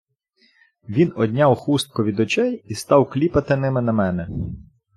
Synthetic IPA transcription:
ʋʲinɔd̪ʲnʲɑwxust̪̚kɔʋʲid̪ɔt͡ʃɛjist̪ɑwklʲipɐt̪ɪnɪmɪnɐmɛnɛ

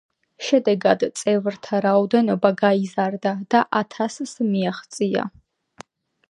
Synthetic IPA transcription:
ʃɛd̪ɛɡadt͡sʼevɨrtʰɐɾawdɐnobaɡaizardad̥aʔatʰasɨsɨmijaχt͡sʼija̰

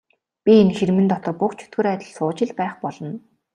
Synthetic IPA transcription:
pʲienxeɾ̆mɘ̆nt̪ɔt̪ɞ̆rpʊkt͡ɕʰɵ̥t̪ɡɵ̆ɾæːt̪ʲɪ̆ɮsʊːt͡ɕɪ̆ɮpæːχpɔɮɞ̆n

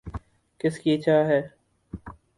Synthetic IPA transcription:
kɪskiːt͡ʃaːɦɛː

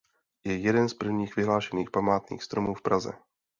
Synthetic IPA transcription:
jɛjɛdɛnspr̩vɲiːxvɪɦlaːʃɛniːxpamaːt̪nḭːxst̪ɾomuːfpɾazɛ̰

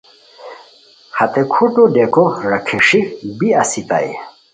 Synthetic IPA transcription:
hɐt̪ekʰuʈudekoɾɐkʰiʂibiasit̪a̰j

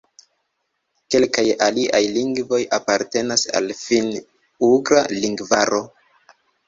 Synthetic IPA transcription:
ke̞lkajaliʔajliŋɡvo̞japaɾte̞nasa̰lfin | uɡɾaliŋɡvaɾo̞

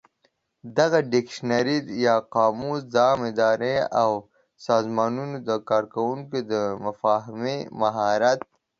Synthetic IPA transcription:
d̪ɐɣaɖikʃnɐɾid̪jaqaːmuːsd̪aːmɪd̪aːɾeaw | saːzmaːnunud̪akaːɾkɐwuŋked̪əmɐfaːɦmemɐɦaːɾat̪̚

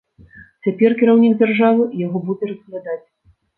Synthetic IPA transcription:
t͡sʲapʲɛrkʲiɾawnʲiɡd͡zʲarʐavɨjaɣɔbud͡zʲɛrɐsklʲad̪at͡sʲ

